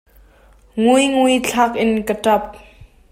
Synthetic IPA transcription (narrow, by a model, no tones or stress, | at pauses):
ŋujŋujt͡ɬʰaːk̚ʔɪnkətɐp̚